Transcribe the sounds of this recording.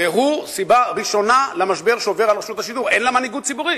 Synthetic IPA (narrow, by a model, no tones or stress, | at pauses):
veɦusibaʁiʃo̞nalamaʃbe̞ʁʃeoveʁalʁeʃut̪aʃiduʁenlamaniɡut̪̚t͡sibuʁi